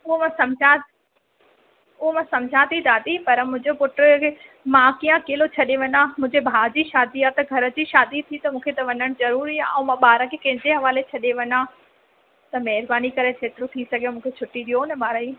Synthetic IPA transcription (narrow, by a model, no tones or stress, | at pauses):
ʊɦomãsɐmd͡ʑʱa | ʊɦomãsɐmd͡ʑʱat̪ʰid̪ʰaːt̪ipɐɾəmʊ̃ɦɪ̃ɲd͡ʑopʊʈɾemãkijãkeːlot͡ɕʰɐɗeʋɐɲamʊ̃ɦɪ̃ɲd͡ʑebʱaːd͡ʑiʃaːd̪iat̪ɐɡʱɐɾə̆d͡ʑiːʃaːd̪it̪ʰit̪ɐmũːkʰet̪ɐʋɐɲəɽ̃zɐɾuːɾiã̰mãɓaːɾəkʰekɐ̃ɦɪ̃ɲd͡ʑeɦɐʋaːlet͡ɕʰɐɗeʋɐɲa | t̪ɐmɐɦɪɾbaːnikɐɾet̪ʰeːt̪ɾũt̪ʰisɐɡʱjẽmũːkʰet͡ɕʰʊʈiɗijonɐmaːɾɐi